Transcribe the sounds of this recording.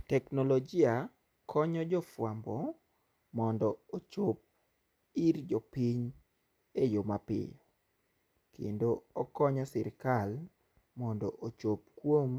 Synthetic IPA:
tɛknolod͡ʒɪa | kʰɔɲɔd͡ʒɔfwambɔ | mɔndɔot͡ʃop̚ | iɾd͡ʒɔpiɲ | ejomapɪ̰jɔ | kḛndoɔkɔɲɔsɪɾkal | mɔndɔʔot͡ʃopkwom

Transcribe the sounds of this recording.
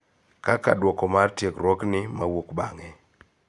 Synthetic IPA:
kaka̰dwɔkɔmartjekɾɔknɪmawokbaŋɛ

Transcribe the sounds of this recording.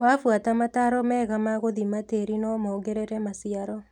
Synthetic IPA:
wafwatamataɾɔmɛːɣamaɣoðimateɾinɔmɔɡeɾeɾɛmasiaɾɔ

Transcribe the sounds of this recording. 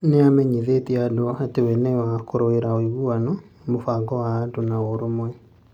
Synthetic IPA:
neamɛɲiðetiadoɔatewɛnɛwakoɾoeɾaoiɣuanɔ | mofaɡɔwaːdonaoɾomwɛ

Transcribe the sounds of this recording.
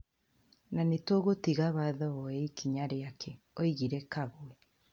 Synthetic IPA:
nanetoːɣotiɣaβaðɔɔɛikiɲaɾeakʰɛ | oiɣiɾɛkaɣwɛ

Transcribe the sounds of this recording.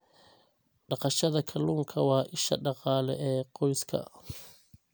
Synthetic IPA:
ɖɑqɑʃɐðɐkʰɐluːŋkʰɐwɑːʔɪʃɐ̰ɖɑqɑːlɛʔɛːqɔjskʰɐ̰

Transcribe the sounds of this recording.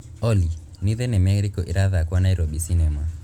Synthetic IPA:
ɔli | niðɛnɛmɛɣɾikɔʔiɾaðakwanaiɾobisinɛma

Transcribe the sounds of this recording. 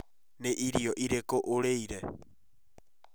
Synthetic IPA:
neʔiɾioʔiɾekoʔoɾejɾa

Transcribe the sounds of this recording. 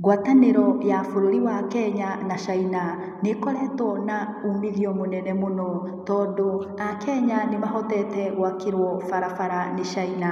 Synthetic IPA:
ɣwataneɾɔjafoɾoɾiwakɛɲanaʃaina | nekɔɾɛtɔna | umiðiɔmonɛnɛmonɔ | tɔːndoakɛɲanemaɦɔtɛtɛɣwakeɾwɔfaɾafaɾaneʃaina

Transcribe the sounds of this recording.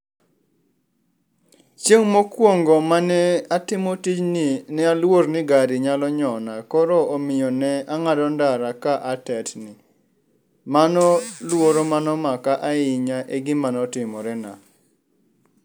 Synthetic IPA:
t͡ʃjeŋmokwoŋɡɔmanɛatɪmɔtit͡ʃninɛalwoɾnɪɡaɾɪɲalɔɲɔnakɔɾɔomɪjɔnɛaŋadɔndaɾakaʔatɛtnɪ | manɔlwoɾomanɔmakaʔaɪɲaʔeɡɪmanɔtɪmɔɾɛna̰

